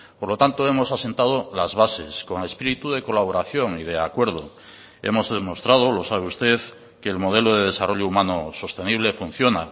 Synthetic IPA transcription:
poɾlo̞t̪ant̪oe̞mo̞sase̞nt̪að̞olazβase̞sko̞ŋe̞spiɾit̪uðe̞ko̞laβ̞o̞ɾaθjo̞ŋiðe̞akwe̞ɾð̞o̞ | e̞̰mo̞zðemo̞st̪ɾað̞olo̞saβ̞e̞ust̪e̞ð | ke̞ːlmo̞ð̞e̞loð̞e̞ð̞e̞saro̞ʎoumãnoso̞st̪e̞niβ̞le̞fun̟θjo̞na

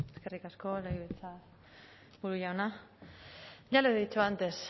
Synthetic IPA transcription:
e̞skerikasko̞lajβet͡sa | buɾuʎawna | ʝaleit͡ʃuant̪e̞s

